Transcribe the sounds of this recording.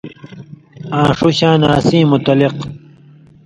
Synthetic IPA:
ãːʂuɕãːnaːsĩːmut̪ɐliq

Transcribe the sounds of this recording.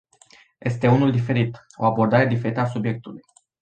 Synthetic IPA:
jʔe̞st̪e̞unuld̪ife̞ɾit̪ | o̞abo̞rd̪aɾe̞d̪ife̞ɾit̪əasubje̞k̚t̪uluj

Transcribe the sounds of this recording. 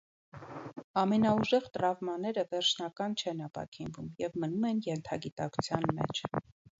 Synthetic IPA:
ɑmɛnɑuʒɛʁt̪əɾɑvmɑnɛɾəvɛɾt͡ʃʰnɑkɑnt͡ʃʰɛnɑpɑ̰kʰinvumjɛvmənumɛnjɛnt̪ʰɑɡit̪ɑkʰu̥t͡sʰjɑnmɛ̰t͡ʃʰ

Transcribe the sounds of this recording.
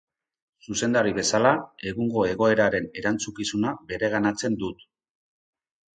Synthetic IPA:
suse̞nd̪aɾiβe̞salae̞ɣuŋɡo̞e̞ɣ̞o̞e̞ɾaɾe̞ne̞ɾant͡sukisunabe̞ɾe̞ɣ̞anat͡se̞nd̪ut̪

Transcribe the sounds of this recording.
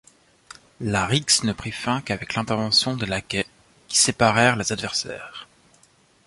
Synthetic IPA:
laʁiksnəpχifɛ̃kavɛklɛ̃t̪ɛʁvɑ̃sjɔ̃d̪əlakɛ | kʲi̥sepaʁɛʁlezad̪vɛʁsɛ̰ːʁ

